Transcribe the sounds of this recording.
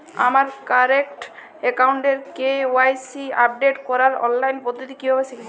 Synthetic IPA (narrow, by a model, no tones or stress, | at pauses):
a̰maɾkaɾekʈ | ekawuɳʈeɾkeoajsiap̚ɖeʈkɔɾaɾɔ̰nlajnpɔd̪ʱːot̪ikiɦɔbesʰeki